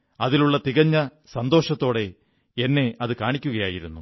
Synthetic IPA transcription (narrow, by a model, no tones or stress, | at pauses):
ɐðiluɭːɐt̪iɣɐɲːɐ | sɐnd̪o̞ːʂɐt̪ːo̞ːɽe̞ | enːe̞ʔɐðɨkaːɳikʲːuɣɐjaːjiɾunːu